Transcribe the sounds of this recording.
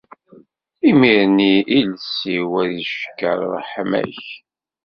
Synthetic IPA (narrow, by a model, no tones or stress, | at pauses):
imiɾniʔilsiwæðəʃkːə̰ɾˤɾˤħmæ̰ç